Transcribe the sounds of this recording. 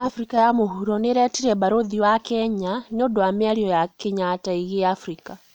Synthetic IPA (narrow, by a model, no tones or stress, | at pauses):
afɾikajamoɦuɾɔneɾɛtiɾɛβaɾoðiβakɛɲanodowameaɾiɔjakeɲataiɣeafɾika